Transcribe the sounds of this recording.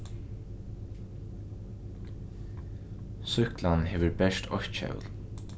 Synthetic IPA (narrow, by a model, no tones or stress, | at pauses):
sʏhklanɦeːʋəɹbɛʂt̪ɔçt̪ʃœ̰l